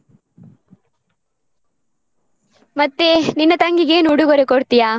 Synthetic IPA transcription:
mɐt̪ːeninːɐt̪ɐŋɡiɡeːnuuɽuɡoɾekoɽt̪ijaː

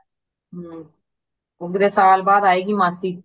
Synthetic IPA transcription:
ʊɡd̪eːsaːlbaːd̪aːeːɡiːmãːsiː

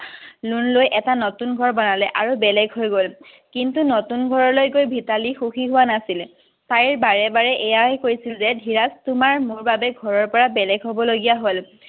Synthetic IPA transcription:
lunlojʔɛtanotunɡʱɔɹbɔnalɛʔaɹubɛlɛɡʱɦojɡol | kintunotunɡʱɔɹɔɹlojɡojbʱitalixuxiɦʊwanasil | tajɹbaɹɛbaɹɛʔɛjaɛkoɹjsilzɛdʱiɹastʊmaɹmʊɹbabɛɡʱɔɹɔɹpɔɹabɛlɛɡɦobɔloɡijaɦol

